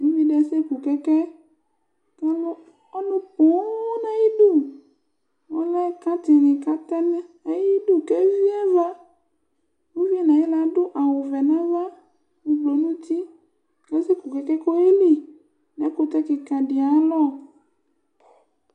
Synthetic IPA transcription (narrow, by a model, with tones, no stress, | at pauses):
nũ˦vi˦ɖɛ˦se˦ku˨kɛ˦kɛ˦ | ka˦lo˦ | ɔ˦lo˦po˨˦nã˦ji˦ɖo˦˨ | wo˦lɛ˦ka˦t̪i˨nĩ˨ka˦t̪ã˦nɛ̃˦e˦ji˦do˦ke˦vi˦a˦va˦ | wũ˦vi˦ɛ˦˨nã˨jɛ˦la˦ɖo˦ʔa˨wo˨vɛ˨nã˦va˦ | ŋu˨ɡ͡blo˨nũ˦t̪i˦ | kɛ˦se˦ku˨kɛ˦kɛ˦ko˦e˦li˦ | nɛ˨˦ko˦t̪ɛ˦ki˨ka˨ɖi˨a˨˦lɔ˦˨